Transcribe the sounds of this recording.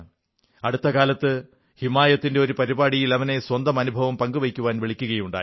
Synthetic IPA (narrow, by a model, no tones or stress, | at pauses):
ɐɽut̪ːɐkaːlɐt̪ːɨ | himaːjɐt̪ːinde̞o̞ɾupɐɾibaːɽijilɐʋɐne̞swɐnd̪ɐmɐnubʱɐʋɐmpɐŋɡuʋekʲːuʋaːnʋiɭikʲːuɣɐjuɳɖa̰ː